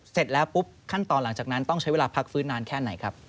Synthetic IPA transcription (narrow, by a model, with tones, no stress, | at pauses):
se˨˩t̪̚lɛː˦˥wpu˦˥p̚kʰa˥˩nt̪ɔː˧nla˩˦ŋt͡ɕaː˨˩k̚na˦˥nt̪ɔ˥˩ŋt͡ɕa˦jeː˧laː˧pʰa˦˥k̚fɯː˦˥nːaː˧nkʰɛː˥˩na˨˩˦jkʰɾa˦˥p̚